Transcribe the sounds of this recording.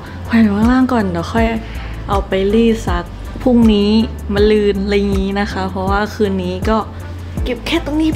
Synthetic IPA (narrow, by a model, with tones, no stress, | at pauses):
kʰwa˧˩n˨˩kʰaː˥˩ŋlaː˧˥˩ŋkɔː˨˩nla˨˧˩xʰɔ˧˥˩j | ʔa˨˧wpa˨jliː˧˥˩sa˦˥k̚ | pʰu˥˩ŋniː˦˥ | ma˧nlɯː˧˩nla˧jŋiː˦˥na˦˥xʰa˦˥pʰɔ˧˥waː˥˩kʰɯː˧nːiː˦˥kɔː˥˩ | ke˨˩p̚kʰɛː˧˥˩t̪o˧˨ŋniː˧˥˩